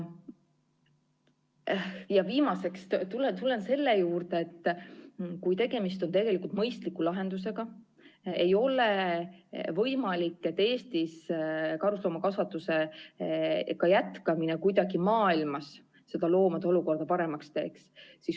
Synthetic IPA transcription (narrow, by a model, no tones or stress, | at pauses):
jɑviːmɑse̞kst̪ulet̪ule̞nse̞lːejuːrd̪̥eet̪ː | kujt̪e̞ɡ̥e̞mist̪o̞nt̪e̞ɡe̞likult̪mɤjst̪likːˑulɑɦe̞nd̪use̞ɡ̥ɑ | e̞jo̞le | vɤjmɑlikːˑet̪ːˑe̞ːst̪iskɑɾuslo̞ːmɑkɑsvɑt̪ːˑuse̞ | kɑjæt̪kɑminekujd̪ɑɡimɑːilmɑs | se̞d̪̥ɑlo̞ːmɑd̪̥eo̞luko̞rd̪̥ɑpɑɾe̞mɑkst̪e̞ːkssis